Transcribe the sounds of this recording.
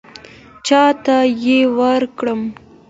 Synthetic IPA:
t͡ʃɑt̪ajewəɾkɽəm

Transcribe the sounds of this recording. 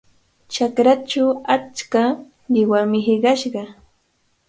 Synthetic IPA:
t͡ʃakɾat͡ʃaat͡ʃka | ɢɪwamɪɦɪɢɑʃɢɑ

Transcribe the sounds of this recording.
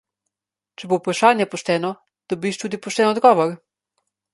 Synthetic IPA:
t͡ʃɛbowpɾaʃaːnjɛpɔʃt̪ɛːnɔ | d̪̥ɔbiːʃt̪uːd̪ipɔʃt̪ɛːnɔd̪ɡɔːʋɔɾ

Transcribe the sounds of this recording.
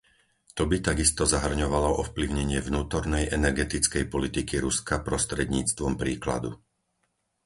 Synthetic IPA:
t̪ɔbit̪aɡist̪ɔzaɦr̩ɲɔʋalɔʔɔfpliʊɲɛɲɪɛvnuːt̪ɔɾnɛjʔɛnɛɾɡɛt̪it͡skɛjpɔlit̪ikiɾuskapɾɔst̪ɾɛd̪ɲiːt͡st̪ʋɔmpɾiːkla̰d̪ṵ

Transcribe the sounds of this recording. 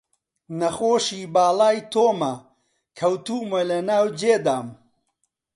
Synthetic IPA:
nɐxoːʃiːbaːlaːjt̪ʰoːmɐ | kʰɐwt̪uːmɐlɐnaːwd͡ʒeːd̪aːm

